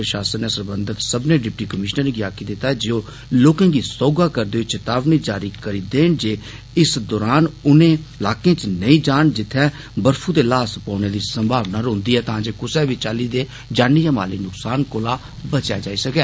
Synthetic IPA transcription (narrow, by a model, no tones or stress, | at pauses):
pɾəʃaːsənːeːsəɾbənd̪ət̪səbnẽːɖɪp̚ʈiːkəmɪʃnəɾneːɡɪaːked̪ɪt̪ːaːɛd͡ʒeoː | loːkãːɡiːsɔːɡaːkəɾd̪eːt͡ʃət̪aːʋniːd͡ʒaːɾiːkəɾiːd̪eːnd͡ʒeː | ɪsd̪ɔːɾaːnʊnẽːɪlaːkẽːt͡ʃnəĩːd͡ʒaːɳd͡ʒɪt̪ʰːɛ̃ː | bəɾfʰuːd̪eːlaːspaːneːd̪iːsəmbʱaːʋnaːɾõːnd̪iːɛːt̪ãːd͡ʒeːkʊsɛːʋiːt͡ʃaːliːd̪eː | d͡ʒaːniːjaːma̰ːliːnʊksaːnkoːlaː | bət͡ʃja̰ːd͡ʒaːiːsəkɛː